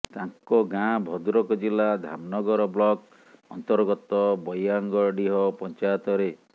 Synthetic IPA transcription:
t̪aŋkɔɡãbʱɔd̪uɾɔkɔd͡ʒilad̪ʱa̰mnɔɡɔɾɔblɔk | ɔnt̪ɔɾɡɔt̪ɔbɔjaŋɡɔɾɖiɦɔpɔnt͡ʃajɔt̪ɔɾe

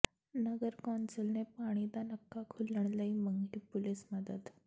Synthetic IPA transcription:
nəɡəɾkɔnsəlnepaɽ̃id̪anəkːakʰuləɳ̃ləiməŋɡʈipulisməd̪əd̪

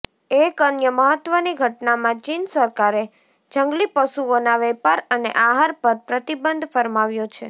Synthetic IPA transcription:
ekənjəməɦət̪ʋəniɡʱəʈnamãt͡ʃinsəɾkaɾe | d͡ʒə̃ŋɡlipəʃuonaʋɛpaɾənḛʔaɦaɾpəɾpɾət̪ibənd̪ʱfəɾmaʋjot͡ʃʰe

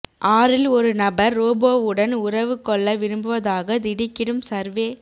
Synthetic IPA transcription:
ʔaːɾɪlɔɾɯnɐbɐɾːoːboːʋɯɽɐnʊɾɐʋɯkːɔɭːɐʋɪɾɯmbɯʋɐðaːɣɐd̪ɪɽɪkːɪɽɯmsɐɾʋeː

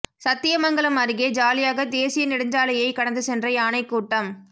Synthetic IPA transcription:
sɐt̪ːɪjɐmɐŋɡɐɭɐmɐɾɯɣeːd͡ʒaːlɪjaːɣɐd̪eːsɪjɐnɪɽɯɲd͡ʒaːlɐjɐɪkɐɽɐnd̪ɯsɛndrɐɪaːnɐɪkːuːʈːɐm

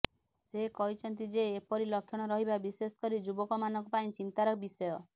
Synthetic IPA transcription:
sekɔɦit͡ʃʰɔnt̪̬id͡ʒeːpɔɾilɔkʰːjɔɽ̃ɔɾɔɦibabisesɔ̥kɔɾid͡ʒubɔkɔmanɔ̃ŋkupaĩt͡ʃint̪aɾɔbisɔjɔ

